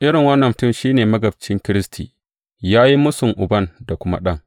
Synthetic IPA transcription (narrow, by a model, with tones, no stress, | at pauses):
ʔɪ˦ɽɪ˨ŋwɐ˦nːɐ˨mtʊ˦˨mʃiː˦neː˨mɐ˦ɡɐ˨b̚t͡ʃɪ˦ŋkʲɪ˦ɾɪ˦stʰḭː˨ | jaː˦ji˦mʊ˦sʊ˨ŋʔʊ˨bɐ˦nda˨kʷʊ˦ma̰˦ɗɐ˦˨ŋ